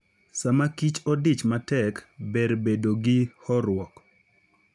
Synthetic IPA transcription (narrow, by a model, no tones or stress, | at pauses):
samakit͡ʃɔdit͡ʃmatɛkbeɾbedoɡɪhɔɾwɔk